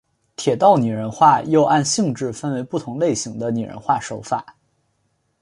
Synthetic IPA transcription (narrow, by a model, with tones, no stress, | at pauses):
t̪ʰjɛ˨˩t̪ɑ˥˩ʊny˨˩ɻə˧˥nxwa˥˩jo˥˧ʊʔa˥˧nɕi˥˧ŋʈ͡ʂɻ̩˥˩fə˥nwe˧˥ɪpu˥˩t̪ʰʊ˧˥ŋle˥˩ɪɕi˧˥ŋd̪ə˧ny˨˩ɻə̰˧˥nxwa˥˩ʂo˧˥ʊfa˨˩˦